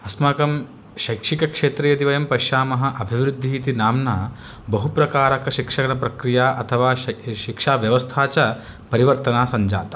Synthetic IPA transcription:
ɐsmaːkɐm | ʃɐjkʂikɐkʂeːt̪ɾijɐd̪iʋɐjɐmpɐʃjaːmɐɦɐ̆ʔɐbʱiʋɾud̪ʱːiit̪inaːmnaː | bɐɦupɾɐkaːɾɐkɐʃikʂɐɡɐnɐpɾɐkɾijaːʔɐt̪ʰɐʋaːʃikʂaːʋjɐʋɐst̪ʰaːt͡ʃɐ | pɐɾiʋɐɾt̪ɐnaːsɐɲd͡ʒa̰ːt̪ɐ̥

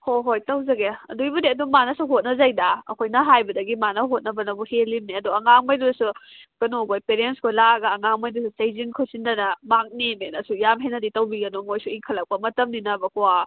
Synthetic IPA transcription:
hoɦojtɐwzɐɡeɐ̰dujbɐdeɐdumanɐsuɦot̚nɐzajdaɐ̰kʰojnɐɦajbɐdɐɡimanɐɦot̚nɐbɐnɐbuhelːimniɐduɐŋaŋmɐjdudɐsu | ɡ̥ɐnoɡojpeɾenskʰojlaɡɐːŋaŋmɐjdususejzinkʰɯsindɐnɐmak̚nemenɐsujamɦenɐditɐwbiɡɐnoŋojsuiŋkʰɐlɐk̚pɐmɐtɐmninɐbɐkuwa

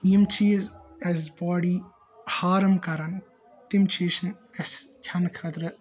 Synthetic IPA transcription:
jimt͡ʃiːzɛzbɔːɽiː | haːɾɐmkɐɾɐn | t̪imt͡ʃiːʃɐn | ɐskʰʲɐnkʰɐt̪ɾɐ

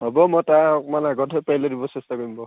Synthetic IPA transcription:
ɦɔbɔmɔtakmanaɡɔtɦɔjpajlɔdibɔsɛstakoɹimbɔ

